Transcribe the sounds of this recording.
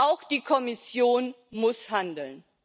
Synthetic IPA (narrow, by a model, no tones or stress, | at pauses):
ʔaʊxd̥iːkʰɔmɪsjoːn | mʊshandl̩n